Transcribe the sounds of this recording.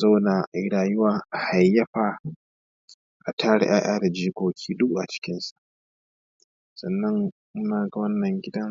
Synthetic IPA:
za˦na˨ʔjɽaː˨jʊ˦waː˨ʔha˨jːɐ˦ɸa˨ | ʔa˨tʰaː˦ɽɪ̰˦ʔaː˦ʔaː˦da˨d͡ʒiː˦ɡʷoː˨kʲʰiː˦dʊ˦kʔa˨t͡ʃɪ̥˦kʲɪ˦nsa˨ʔ | sɐ˨nːɐ˦ŋ | mʊ˦naː˨ɡa˨wɐ˦nːɐ˨ŋɡʲɪ˦dɐ˦ŋ

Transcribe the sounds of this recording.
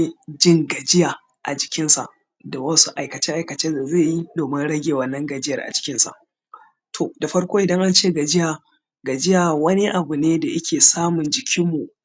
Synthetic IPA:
d͡ʒɪ˦ŋɡɐ˨d͡ʒɪ˦jaː˨ | ʔa̰˨d͡ʒɪ˨kʲɪ˦nsa̰˨ʔ | da˨wɐ˦su˦ʔa˨jkɐ˨t͡ʃe˦ʔa˨jkɐ˨t͡ʃeː˦da˨zeː˦˨ji˦doː˨mɪ˦nɽɐ˦ɡʲeː˨wɐ˨nːɐ˦ŋɡɐ˨d͡ʒɪ˦jɐ˨rʔa̰˨d͡ʒɪ̥˨kʲɪ˦nsa̰˨ʔ | tʰo˨da˨ɸɐ˦ɽkʷoː˦ʔɪ˨dɐ˦ŋʔa˦nt͡ʃeː˦˨ɡa˨d͡ʒɪ˦ja˨ | ɡɐ˨d͡ʒɪ˦jaː˨wɐ˦ni˦ʔa˨bʊ˨neː˦da˨ʔɐ˦kʲʰeː˨saː˦mʊ˨nd͡ʒɪ˨kʲɪ˦mːu˨ʔ

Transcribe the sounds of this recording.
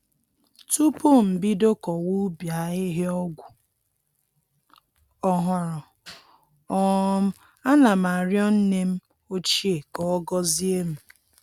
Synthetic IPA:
tu˦po˦m̩˨bi˦do˦kɔ˨wu˦bja˨˦ɪ˦ɦe˦ɔ˦ɡʷʊ˨ | ɔ˨ɦɔ˨ɾɔ˨ | ɔ˦m̩˦ | a˦na˨m˨a˨ɾjɔ˦n̩˦ne˦m̩˦ | o˦t͡ʃi˦e˨kɔ˨ɔ˦ɡɔ˦zi˦e˦m̩˨

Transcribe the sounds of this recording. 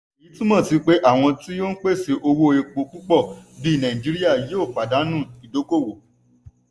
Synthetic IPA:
i˨˦tũ˦mɔ̃˦˨ti˧k͡pe˦ʔa˦˨w̃ɔ̃˧ti˦jo˦n̩˦k͡pe˦˨se˨˧ʔo˧wo˦e˧k͡po˧k͡pu˦k͡pɔ˦˨bĩ˦˨nã˨ĩ˨d͡ʒi˨˦ɾi˦a˦˨je˨˦o˦˨k͡pa˨da˨˦nũ˦˨i˨do˨˦ko˦˨wo˨

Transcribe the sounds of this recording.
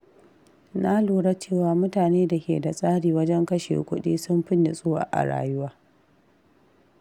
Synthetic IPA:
na˦luː˨ɽa˦t͡ʃeː˦˨waː˨mʊ˦taː˨neː˦da˨kʲḛː˨da˨sʼaː˦ɽiː˨wɐ˦d͡ʒɛ˦ŋkɐ˦ʃḛ˨kʷʊ˦ɗḭː˦sʊ˦mɸɪ˦nːɪ˨sʼoː˦wa̰ː˨ʔa̰˨ɽa̰ː˨jʊ˦waː˦

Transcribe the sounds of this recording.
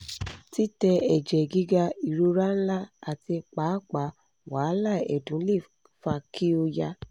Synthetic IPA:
ti˦tɛ˧ɛ˨d͡ʒɛ˨ɡi˦ɡa˧i˨ɾo˧ɾa˦n̩˦la˦˨a˨ti˧k͡pa˨˦k͡pa˨˦ | wa˨˦la˦˨ɛ̰˨dũ˨˦le˦˨ | fa˧kʰi˦o˧ja˧

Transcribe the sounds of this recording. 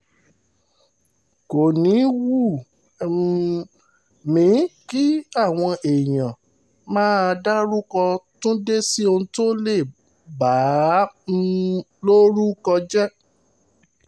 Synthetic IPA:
ko˨nĩ˨˦wu˦˨ | mĩ˨˦ki˦a˦˨w̃ɔ̃˧ʔe˨jã˨ | mãː˦a˧da˦ɾu˦kɔ˧tũ˦de˦si˦o˧ũ˧to˦le˦˨ | ba˨˦ | lo˦ɾu˦kɔ˧d͡ʒɛ˦

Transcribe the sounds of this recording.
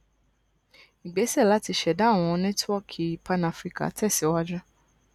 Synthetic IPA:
i˨ɡ͡be˨˦sɛ˦˨la˨˦ti˧ʃɛ˨da˦˨w̃ɔ̃˧nɛ̃˦twɔ˦˨kʰi˨i˨pa˧na˧fɾi˦ka̰˨˦tʰɛ˦˨si˨˦ɔ˦wa˦d͡ʒɾa˦

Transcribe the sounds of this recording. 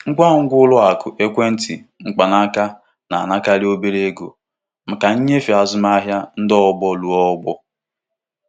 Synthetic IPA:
ŋ̩˦kʷa˦˨ŋ̩˦ɡʷʊ˦lʊ˦a˨kʊ˨ʔe˦kʷe˦n̩˦tḭ˨ŋ͡m̩˨k͡pa˨na˦ka˦ | na˨na˦ka˦ɾɪ˦o˦be˦ɾe˦ɡo˨ | m̩˨ka˨ɲ̩˦ɲe˦fi˨a˨zʊ˦m˦a˦ɦja˦n̩˦dɔ˦bɔ˦lu˨ɔ˦ɡ͡bɔ˦

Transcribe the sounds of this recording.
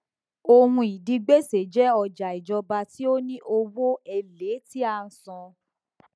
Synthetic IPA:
o˧hũ˧i˨di˧ɡ͡be˦se˨d͡ʒɛ˦ɔ˧d͡ʒa˨i˨d͡ʒɔ˧ba˧ti˦o˦nĩ˦ʔo˧wo˦ɛ˧le˨˦ti˦a˧n̩˨sɔ̃˧

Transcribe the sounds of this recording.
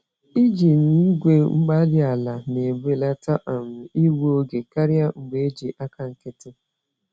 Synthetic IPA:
i˦d͡ʒi˨n̩˨i˦ɡʷe˦ŋ͡m̩˦ɡ͡ba˦dɪ˦a˨la˨ne˨ɡ͡be˦la˦ta˦ʔa˨m̩˨i˦wo˦o˦ɡe˨ka˦ɾja˦ŋ͡m̩˨ɡ͡be˦e˦d͡ʒi˨ʔa˦ka˨ŋ̩˨kɪ˦tɪ˦

